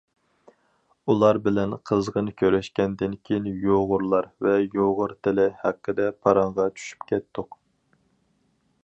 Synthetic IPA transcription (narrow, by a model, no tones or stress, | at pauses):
ulˠɑɾbɪlɛnqʰəzʁənɨkʲʰøɾɛʃkʲɛnd̪ɪnkʲʰejinjoʁʊɾlˠɑɾvɛjoʁʊɾt̪ʰɪlɪhɛqːəd̪ɛpʰɑɾɑɴʁɑt͡ʃʰy̥ʃy̥pkʲʰɛt̪ːʊq